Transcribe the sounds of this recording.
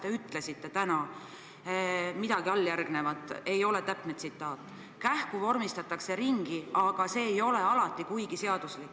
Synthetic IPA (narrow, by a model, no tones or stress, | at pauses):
t̪e̞yt̪le̞sit̪ːe̞t̪ænɑ | mid̪ɑɡ̥iɑlːjærɡ̥ne̞vɑt̪ːˑe̞jo̞let̪æpːmet̪sit̪ːˑɑːt̪ːˑ | kæhkuvo̞rmist̪ɑt̪ːˑɑkse̞ɾiŋɡ̥iɑɡ̥ɑse̞ːjo̞le̞ɑlɑt̪ːˑikujɡ̥ise̞ɑd̪̥uslikː